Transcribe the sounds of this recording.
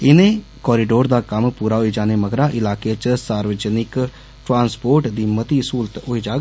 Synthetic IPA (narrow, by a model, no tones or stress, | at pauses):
ɪnẽː | kɔːɾiːɖoːɾd̪aːkəmpuːɾaːɦoiːd͡ʒaːneːməɡɾaːʔɪlaːkeːt͡ʃsaːɾʋəd͡ʒənɪk | ʈɾãːnspoːɾʈd̪iːmət̪iːsuːlt̪ɦoːiːd͡ʒaːɡ